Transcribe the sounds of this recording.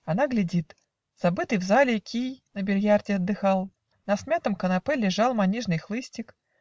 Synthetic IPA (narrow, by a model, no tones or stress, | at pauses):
ɐnaɡlʲɪdʲit̪ | z̥abɨt̪ɨjvzalʲɪkʲijnəbʲɪlʲjardʲɪɐd̪ːɨxalˠ | nɐsmʲat̪əmkənapɛlʲɪʐalˠmanʲiʐnɨjxlˠɨsʲtʲɪk